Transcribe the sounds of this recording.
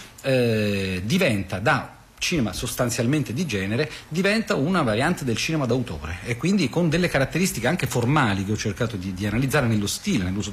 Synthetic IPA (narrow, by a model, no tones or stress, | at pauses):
ɛd̪ivɛnt̪ad̪a | t͡ʃiːnemasost̪ant̪sjalment̪ed̪id͡ʒɛːneɾed̪ivɛnt̪aunavaɾjant̪ed̪elt͡ʃiːnemad̪awt̪o̰ːɾeːkːwind̪ikond̪elːekaɾat̪ːeɾist̪ikeaŋk̟eformaːlikeɔt͡ʃːerkaːt̪od̪id̪ianalid̪zaːɾenelːost̪iːlenelːuːso